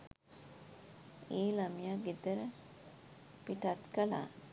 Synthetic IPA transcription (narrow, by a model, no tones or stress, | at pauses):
eːlamijaɡid̪əɾə | piʈat̪kəla̰ː